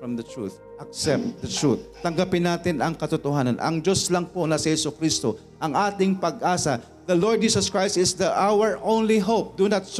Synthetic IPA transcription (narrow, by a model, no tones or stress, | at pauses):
fɹɐmd̪ɐt̪ɹṵt̪ | ʔɐk̚sɛp̚t̪̚d̪ɐt̪ɹut̪̚t̪ːɐŋɡapɪnːaːt̪ɪnɐŋkɐt̪ʊt̪ʊɦaːnɐnʔɐ̰ŋd͡ʒoslɐŋpo̞nɐsɪhɛsʊkɾist̪o | ʔɐŋʔaːt̪ɪŋpɐɡʔaːsɐ | d̪ɐloɹd̪̚d͡ʒiːsɐskɹajst̪ɪsd̪ɐʔawəɹʔõwnliɦowp̚d̪unat̪̚s